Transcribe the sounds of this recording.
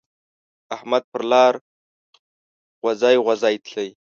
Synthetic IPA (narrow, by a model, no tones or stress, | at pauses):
ahmad̪̚pəɾlɑːɾ | ɣwazɑjɣwazɑːjt̪ʰləj